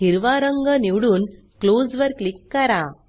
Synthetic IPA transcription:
iɾʋaɾəŋɡəniʋɽuːn | klod͡zʋəɾklikːəɾa

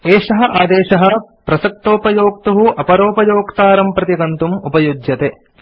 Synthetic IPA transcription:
eːʂɐɦɐ̆ʔaːd̪eːʃɐɦɐ̆pɾɐsɐk̚t̪oːpɐjoːk̚t̪uɦuʔɐpɐɾoːpɐjoːkt̪aːɾɐmpɾɐt̪iɡɐnt̪umupɐjod͡ʒjɐt̪e

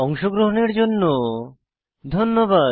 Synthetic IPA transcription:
ɔŋʃoɡɾoɦoneɾd͡ʑonːo | d̪ʱonːoba

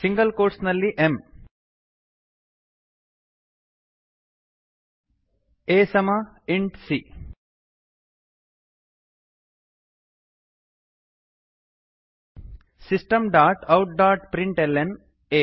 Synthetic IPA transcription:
siŋɡɐlkoːɾʈsnɐlːiʔem | eːsɐmɐiɳʈsi | sisʈɐmɖaːʈɐwʈ̚ɖaːʈpɾiɳʈelːen | eː

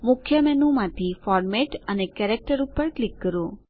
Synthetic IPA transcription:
mʊkʰjəmɛnumãt̪ʰifɔɾmeʈənekɛɾek̚ʈəɾupːəɾklikːəɾõ

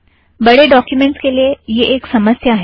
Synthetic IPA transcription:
bəɽeɖɔkjumeɳʈskelejeʔːksəməsjəaɦe

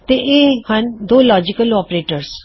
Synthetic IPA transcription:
t̪eːʔeːhənd̪oːlɔːd͡ʒɪkəlɔːpɾeːʈəɾs

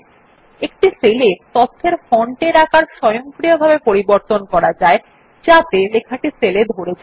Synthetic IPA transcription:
ek̚ʈiselet̪ɔt̪ʰːeɾfɔɳʈeɾakaɾʃɔjoŋpɾijobʱabepoɾiboɾt̪onkɔɾad͡ʑae | d͡ʑat̪elekʰaʈiseled̪ʱoɾed͡ʑa

